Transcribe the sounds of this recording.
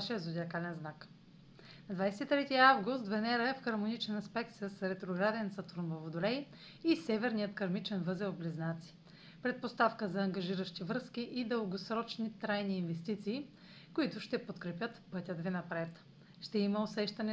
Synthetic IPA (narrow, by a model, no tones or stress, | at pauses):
ʃɛəzʊd̪ʲiɐkalɛnznak | nɐd̪vajsɛt̪it̪ɾɛt̪iavɡʊst̪vɛnɛɾəɛfxɐɾmonit͡ʃɛnɐspɛk̚t̪səsɾɛt̪ɾoɡɾad̪ɛnsɐt̪uɾnvovod̪ʊlɛj | isɛvɛɾnijət̪kɐɾmit͡ʃɛnvɤzɛobliznat̪si̥ | pɾɛt̪̚post̪afkəzɐːŋɡɐʒiɾəʃt̪ivɾɤskʲiʔid̪əlˠɡosɾɔt͡ʃnit̪ɾajniːnvɛst̪it̪siː | koit̪ʊʃt̪ɛpot̪kɾɛpʲjət̪pɤt̪ʲəd̪vinɐpɾɛt̪ | ʃt̪ɛimɐosɛʃt̪ɐnɛ